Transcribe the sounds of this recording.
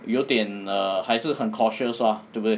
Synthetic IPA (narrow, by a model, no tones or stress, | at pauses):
joʊt̪ɛ̃nəhaɪs̩hə̃nkʰɔʃəsat̪ubi